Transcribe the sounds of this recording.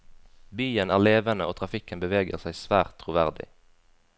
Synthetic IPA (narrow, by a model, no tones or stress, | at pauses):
byːənæ̰ːʁleːʋənəʔoːt̪ʰʁɑfɪkənbəʋeːɡəʁsæɪsʋæːʁt̪ʰːʁʊʋæʁd̪ɪ̰